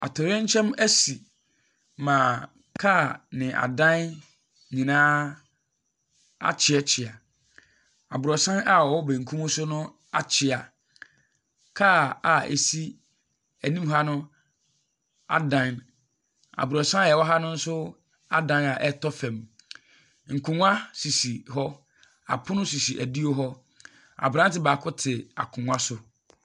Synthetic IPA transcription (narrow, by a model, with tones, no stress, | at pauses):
a̰˨tʰɔ˨ɾɪ̃˦ɲ̩˦t͡ɕʰɛ̃˦mæ˦si˨ | mã˨ | kʰa˦˨nɪ̃˨ʔa̰˨dã˦n | ɲĩ˨nãː˦ | a̰˦t͡ɕʰɪ˨ɛ˦t͡ɕʰɪ˨a˨ | a˨bʊ˨ɾɔ˨sã˦na˨wɔ˨wɔ˦bæ̃˨ŋ̩˨kʰũ˦m˦sʊ˦nʊ̃˦ | a˦t͡ɕʰɪ˨a˨ | kʰa˦a˨ḛ˨si˦ | æ˨nĩ˦mɦa˦nʊ̃˦ | a̰˨dã˨n | a̰˨bʊ˨ɾɔ˨sã˦ɛ˨wɔ˦ɦa˦nʊ̃˦n̩˦sʊ˦ | a˦dã˦na˨ʔɛ˦tʰɔ˦fɛ̃˨m | ŋ̩˨kʰũ˨ŋ˦a˦si˨si˨ɦɔ˦ | a̰˨pʰʊ˦nʊ̃˦si˨si˨ʔæ˨di˦o˦ɦɔ˦ | a̰˨bɾã˦n˦tɪ˨ba˨kʰʊ˦tʰɪ˨a̰˨kʰʊ̃˨ŋʷ˦ã˦sʊ˦